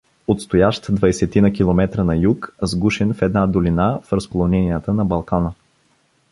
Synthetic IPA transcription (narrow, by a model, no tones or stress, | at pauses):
ot̪st̪ojaʃt̪d̪vɐjsɛt̪inəkʲilˠomɛt̪ɾənɐjukzɡuʃɛnfɛd̪nad̪olinafɾəspolˠonɛnijət̪ənɐbɐlˠkanə